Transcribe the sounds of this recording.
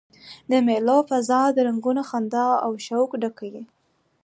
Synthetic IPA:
d̪əmelofazɑd̪əɾaŋɡunaxand̪ɑawʃawkɖakawi

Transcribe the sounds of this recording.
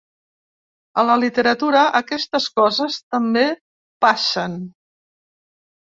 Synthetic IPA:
ələlit̪əɾət̪uɾəʔəkɛst̪əskɔzəst̪əmbe | paʃən

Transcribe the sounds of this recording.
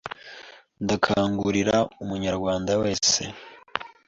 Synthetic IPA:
ndakʰaːŋɡuɾiɾaumuɲaɾɡwaːndawe̞ːse̞̰

